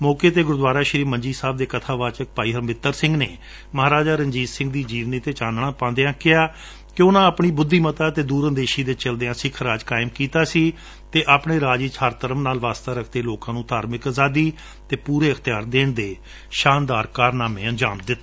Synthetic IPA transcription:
mɔːkeːt̪eːɡʊɾd̪ʋaːɾaːʃɾiːməɲd͡ʒiːsaːbd̪eːkət̪ʰaːʋaːt͡ʃək̚paːiːɦəɾmɪt̪ːəɾsɪ̃ŋɡneː | məɦaːɾaːd͡ʒaːɾəɲd͡ʒiːzsɪ̃ŋɡd̪iːd͡ʒiːʋniːt̪eːt͡ʃaːnɳ̃ãːpãːnd̪eːãːkɪaː | kɪʊnãːəpɳiːbʊd̪ʱːiːmət̪aːt̪eːd̪uːɾənd̪eːʃiːd̪eːt͡ʃəld̪eːãːsɪkʰɾaːd͡ʒkaːɪmkiːt̪aːsiː | t̪eːʔaːpɳeːɾaːd͡ʒiːt͡ʃʰəɾt̪əɾəmnaːlʋaːst̪aːɾəkʰd̪eːloːkãːnũːt̪aːɾmɪkaːzaːd̪iː | t̪eːpuːɾeːəkt̪ɪjaːɾd̪eːɳd̪eː | ʃaːnd̪aːɾkaːɾnaːmẽːənd͡ʒaːmd̪ɪt̪ː

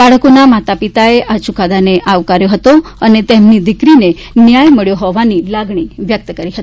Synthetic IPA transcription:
baɭkunamat̪apit̪aeʔat͡ɕukad̪aneʔaʋkaɾjoɦət̪oanit̪emniːd̪ikɾine | njajməɭjoɦɔʋanilaɡɳiːʋjək̚t̪əkəɾiːɦət̪i̥

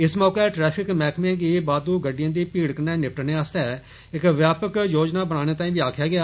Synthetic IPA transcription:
ɪsmɔːkeʈɾɛːpʰɪkmɛːkʰm̃ːɡiːbaːd̪uːɡəɖɪjãːd̪iːpiːɽkənɛːnɪp̚ʈneːaːst̪ɛː | ɪkʋjaːpəkjoːd͡ʒnaːbəɽaːñeːt̪ãːĩːʋiːaːkʰjaːɡɪjaː

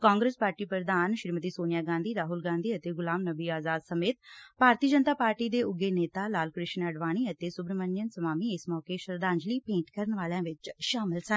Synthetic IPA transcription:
kãːŋɡɾeːspaːɾʈiːpɾəd̪aːnʃɪɾmət̪iːsoːnɪjaːɡãːnd̪iːɾaːɦʊlɡãːnd̪iːət̪eːɡʊlaːmnəbiːaːzaːd̪səmeːt̪paːɾt̪iːd͡ʒənt̪aːpaːɾʈiːd̪eːʊɡeːneːt̪aːlaːlkɾɪʃnəɖʋaːɽ̃iːət̪eːsʊbɾəməɲd͡ʒənsəmaːmiːɪsmɔːkeːʃɾəd̪aːnd͡ʒliːpẽːɳʈkəɾəɳʋaːlejãːʋɪt͡ʃʃaːmɪlsə

